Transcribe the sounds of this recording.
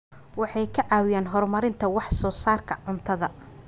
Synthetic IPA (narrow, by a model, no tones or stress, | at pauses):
wɑħɑjkʰɐʕɑːwɪjaːnɦɔrmɐɾɪnt̪ʰɐwɑħsɔːsaːrkʰɐʕʊmt̪ʰɐðɐ